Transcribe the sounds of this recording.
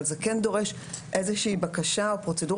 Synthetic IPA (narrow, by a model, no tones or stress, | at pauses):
lzekendo̞ʁeʃ | ʔezeʃiːbakaʃaopʁo̞t͡se̞du